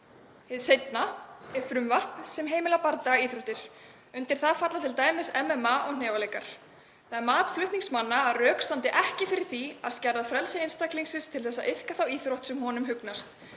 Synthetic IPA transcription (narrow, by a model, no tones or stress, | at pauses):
hɪðsejt̪naɛɾ̥fɾʏmvar̥psɛmɦeːjmɪlapaɾt̪aaiːθɾoht̪ɪɾ̥ | ʏnt̪ɪɾ̥θaðfat̪lat̪ʰɪlt̪aːjmɪsɛmɛmaʔɔɣnɛːvalejkaɾ̥ | θaðɛɾmaːt̪flʏht̪niŋksmanːaːðrœːkst̪ant̪ɪʔɛhcɪfɪɾɪɾ̥θia̰ðscɛɾðaðfɾɛlsaɪnst̪akliŋsɪst̪ʰɪlθɛsːaʔɪθkaθawiːθɾowht̪sɛmɦɔnʏmɦʏknast̪